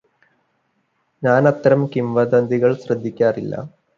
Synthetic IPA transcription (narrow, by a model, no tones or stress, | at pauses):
ɲaːnɐt̪ːɐɾɐmkimʋɐd̪ɐnd̪ʱiɣɐɭɕrɐd̪ʱːikʲːaːrilːɐ̰